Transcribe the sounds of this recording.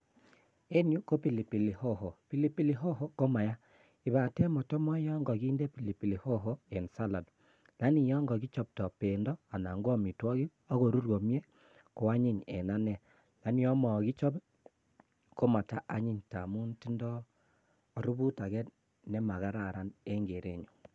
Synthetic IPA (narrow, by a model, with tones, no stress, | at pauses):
e˦nju˦ko˦pi˨li˨pi˨li˨ho˦ɦo˨pi˨li˦pi˦li˨ɦo˦ɦo˦ko˦ma˨ja˦ | i˨βa˨tɛ˦mɔ˨tɔ˦mɔ˦jɔ˦ŋɡɔ˨ɣiː˦nde˦pi˨li˨pi˨li˨ho˦ɦo˦e˨nsa˦la˨d | la˦ni˨jɔ˦ŋɡɔ˨ɡi˦t͡ʃɔ˦p̚tɔ˨pe˨ndɔ˦a˨na̰˨ŋɡwɔ˦mi˨twɔ˦ɣi˦ | ɔ˦ɣo˨ɾu˦ɾwo˨mje˦ | ko˦a˦ɲi˦ɲɛ̰˨na˦nɛ˦˨ | la˦ni˦ɔ˦mɔ˨ɡi˦t͡ʃɔ˦b | ko˦ma˨ta˦ʔa˦ɲi˦ɲta̰˨mu˦nti˦ndɔː˦˨ | ɾu˦βu˦ta˨ɣɛ˦ | nɛ˦ma˨ɣa˦ɾa˨ɾa˦ne˦ŋɡe˨ɾe˦˨ɲo˨